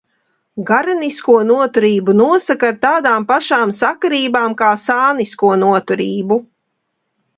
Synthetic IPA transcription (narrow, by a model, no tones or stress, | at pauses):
ɡaɾaniskuɔnuɔt̪uɾiːbunuɔsakaɾt̪aːd̪aːmpaʃaːmsakaɾiːbaːmkaːsaːniskuɔnuɔt̪uɾiːbu